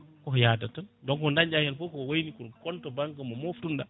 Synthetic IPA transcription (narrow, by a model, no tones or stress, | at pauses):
kɔjadatandɔŋkɔndaɲd͡ʒahɛnfɔkɔwojnikunkɔntɔbaŋkamɔmoftunda